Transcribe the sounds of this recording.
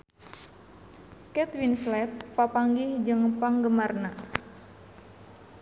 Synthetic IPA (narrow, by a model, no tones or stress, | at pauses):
kɛt̪winslɛtpapaŋɡihd͡ʒəŋpaŋɡəmarna